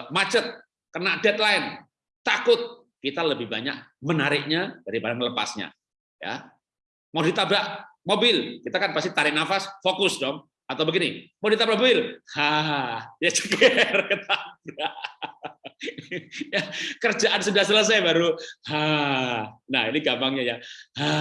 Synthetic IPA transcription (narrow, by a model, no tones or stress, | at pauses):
mat͡ʃət̪̚ | kənaʔdɛt̪̚laɪn | t̪akʊt̪̚ | kit̪aləbɪhbaɲa̰k̚mənaɾɪk̚ɲad̥aɾipadaŋləpa̰sɲa̰ | ja̰ | madit̪abaʔmobɪlkit̪akanpast̪it̪aɾɪʔnafasfokʊsdɔŋ | at̪awbəɡinimadit̪abaʔmobɪlha | jat͡ʃəkɛrkət̪ʰaa | jakərd͡ʒaʔansudahsələs̬ajbaɾuha | nahiniɡambaŋɲajaha